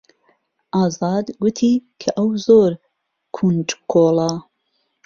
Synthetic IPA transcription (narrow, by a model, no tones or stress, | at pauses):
ʔɑːzɑːd̪ɡut̪ʰiːkʰɐʔɐwzoːɾ | kʰund͡ʒkʰoːlɑ